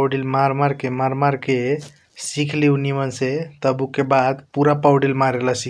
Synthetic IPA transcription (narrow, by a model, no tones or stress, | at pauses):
ɖilmaɾmaɾkemaɾmaɾke | sikʰleunimənset̪əbukebad̪puɾapawɖilmaɾelasi